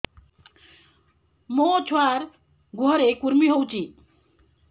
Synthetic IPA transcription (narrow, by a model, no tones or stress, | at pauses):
mot͡ʃʰwaɾ | ɡʱoɾekuɾmiɦowt͡sʰi